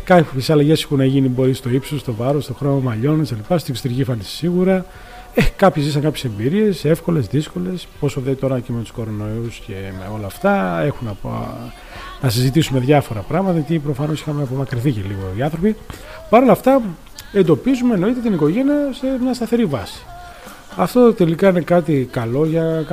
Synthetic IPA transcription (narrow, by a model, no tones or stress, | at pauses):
kɐçesɐlɐʝe̞si̥xunːɐʝinibo̞ɾist̪o̞ipsost̪o̞vɐɾost̪o̞xɾomomɐʎo̞neselipɐst̪okst̪ɾiʝifɐnissiɣuɾɐ | ekɐpçezisɐŋkɐpçese̞mbiɾie̞se̞fko̞le̞zðisko̞le̞spo̞soðeit̪o̞ɾɐcemet̪u̥sko̞ɾo̞no̞iusce̞meo̞lɐft̪ɐe̞xunɐp | nɐsizit̪isume̞ðʝɐfo̞ɾɐpɾɐɣmɐt̪ɐjɐt̪ipɾo̞fɐno̞sixɐmeɐpo̞mɐkɾiθiceliɣoiɐnθɾo̞pi | pɐɾo̞lɐft̪ɐ | e̞nd̪o̞pizume̞no̞it̪e̞t̪̬iniko̞ʝe̞niɐse̞mɲɐst̪ɐθe̞ɾivɐsi̥ | ɐft̪o̞t̪e̞likɐine̞kɐt̪ikɐlo̞ʝɐ